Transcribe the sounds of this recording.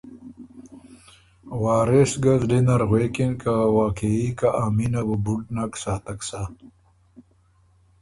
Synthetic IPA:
waːɾesɡazɖinɐɾɣweːkinkawaːkeikaʔaminabubuʈnaksaːt̪aksa

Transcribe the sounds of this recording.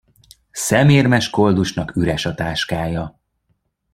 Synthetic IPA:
sɛmeːrmɛʃko̞ld̪uʃnɒkyɾɛʃɒt̪aːʃkaːjɒ

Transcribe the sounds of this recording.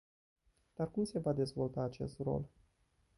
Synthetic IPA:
d̪̥arkumse̞vad̪e̞zvo̞lt̪aːt͡ʃe̞st̪ro̞̰l

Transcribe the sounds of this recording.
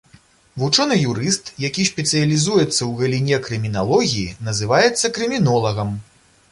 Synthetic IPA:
vut͡ʂɔnɨjuɾɨst̪jakʲiɕʲpʲɛt̪sɨjɐlʲizujɛt̪sːɐwɣɐlʲinʲɛkɾɨmʲinalˠɔɣʲijinɐzɨvajɛt̪sːɐkɾɨmʲinɔlˠɐɣɐm

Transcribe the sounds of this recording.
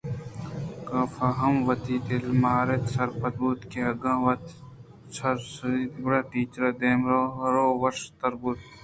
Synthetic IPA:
kaːfaɦɐmʋɐt̪iːt̪elmaːɾet̪sɐɾpɐt̪̚buːt̪keɐɡãːʋɐt̪ | sɐɾsibɾaːʈiːt͡ʃɾɐd̪eːmɾoɾoːʋɐʃt̪ɐɾbut̪̚

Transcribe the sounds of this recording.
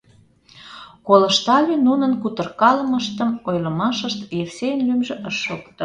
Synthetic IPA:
kolə̆ʃt̪ɑlynunənkut̪ə̆rkɑləməʃt̪əmojləmɑʃəʃt̪jefsejənlymʒĕʔəʃːokt̪ə̆

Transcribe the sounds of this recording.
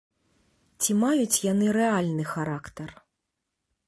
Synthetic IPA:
t͡sʲimajut͡sʲjanɨɾɛalʲnɨxaɾakt̪ɐr

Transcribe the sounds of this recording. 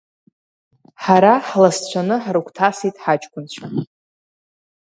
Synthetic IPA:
ħaɾaħlast͡ɕʷʰanɨħaɾukʷʰʼtʰasijtʼħat͡ʃʼkʷʼʊnt͡ɕʷʰa

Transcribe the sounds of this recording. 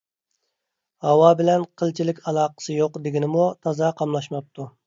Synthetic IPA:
hɑwɑbɪlɛnqʰəlˠt͡ʃʰilɪkʲɑlˠɑːqə̥sɨjoqd̪ɪɡʲinɪmut̪ʰɑzɑqʰɑmlˠɑʃmɑp̚t̪ʰu

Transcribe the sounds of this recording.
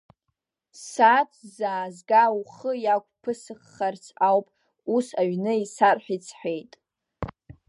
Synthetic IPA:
sat͡sʷʰzaːzɡawuχəjakʷʼpʰɨsɨχːart͡sʰawpʼ | usaɥnɨisarħʷᶣit͡sʰħʷe̞jtʼ

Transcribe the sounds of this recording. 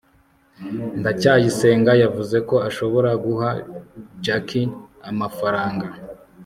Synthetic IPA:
ndacaːjise̞ːŋɡajavuze̞ko̞aʃo̞βo̞ɾaɡuɦad͡ʒakʰiamafaɾaːŋɡa

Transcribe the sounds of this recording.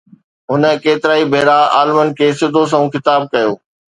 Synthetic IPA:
ɦʊnə̆keːt̪ɪɾaːibʱeːɾaa̰ːlɪmənɪ̆kʰeːsɪd̪ʱos̬ɐ̃ɦũkɪt̪aːb̚kɐjoː

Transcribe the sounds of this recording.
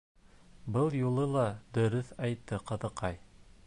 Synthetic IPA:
bɤlˠjulˠɤlˠɑd̪ɵ̆ɾɵθɑjt̪ːɤqɤ̆ðɤ̆qɑj

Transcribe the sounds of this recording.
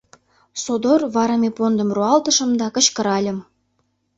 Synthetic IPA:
sod̪orβɑɾɑmʲepond̪ə̆mruɑlt̪ə̆ʃə̆md̪ɑkə̆t͡ɕkə̆ɾɑlʲə̆m

